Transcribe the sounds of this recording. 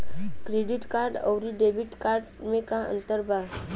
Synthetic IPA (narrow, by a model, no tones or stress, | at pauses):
kɾeɖiʈkaɾɖə̰wɾiɖebiʈkaɾɖmekãə̰nt̪əɾba